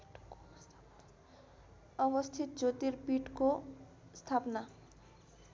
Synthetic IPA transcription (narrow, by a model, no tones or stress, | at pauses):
ʌbʌst̪ʰit̪̚d͡ʒot̪iɾpiʈko | st̪ʰapna